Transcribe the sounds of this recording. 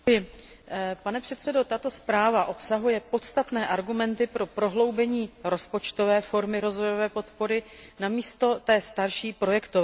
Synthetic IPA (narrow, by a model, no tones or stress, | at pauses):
jɪ | panɛpr̝̥ɛt̪sɛdo̞t̪at̪o̞spɾaːvaʔo̞psaɦujɛpo̞t̪st̪at̪nɛːʔaɾɡumɛnt̪ɪpɾo̞pɾo̞ɦlo̞wbɛɲiːɾo̞spo̞t͡ʃt̪o̞vɛːfo̞ɾmɪɾo̞zvo̞jo̞vɛːpo̞t̪po̞ɾɪnamiːst̪o̞t̪ɛːst̪aɾʃiːpɾo̞jɛkt̪ovɛː